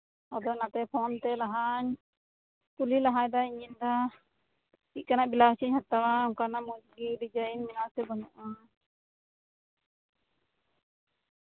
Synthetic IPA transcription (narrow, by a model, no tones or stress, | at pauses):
ɔd̪ɔnat̪ɛpʰɔnt̪ɛlaɦaɲ | pulilaɦaɲd̪aiɲind̪a | ic̪̚kanaʔbilaɦt͡ʃʰiɲhat̪awaːŋkanamutɡilid͡ʒainminasɛbɔɲɔʔa